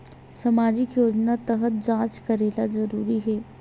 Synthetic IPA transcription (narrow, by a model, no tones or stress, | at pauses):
sɐmaːd͡ʒɪkjoːd͡ʒnat̪ɐɦət̪̚d͡ʒãːt͡ʃkɐɾeːlazɐɾuːɾiɦɛː